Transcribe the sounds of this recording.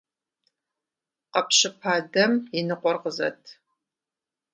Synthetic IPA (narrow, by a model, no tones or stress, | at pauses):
qɐpɕɪpʰaːdɐmjɪnɨqʷɔrqəzɐ̰tʰ